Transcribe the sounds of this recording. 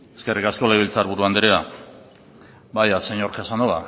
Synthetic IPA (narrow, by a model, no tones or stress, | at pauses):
eske̞rikasko̞laiβilt͡saɾβuɾuand̪eɾea | bajaseɲoɾkasand̪oβa